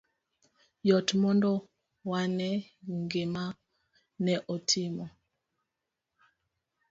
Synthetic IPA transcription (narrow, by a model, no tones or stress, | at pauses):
jɔtmɔndɔ | wanɛŋɡema | nɛʔotʰimɔ